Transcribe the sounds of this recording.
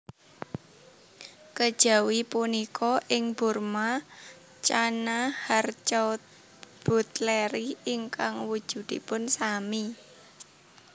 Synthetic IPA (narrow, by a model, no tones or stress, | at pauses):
kəd̥ʒ̥a̤wipunikʰɔʔɪŋburma | t͡ʃanahart͡ʃa | b̥ut̪leɾiiŋkaŋwud̥ʒ̥ṳd̪̥i̤pʊnsami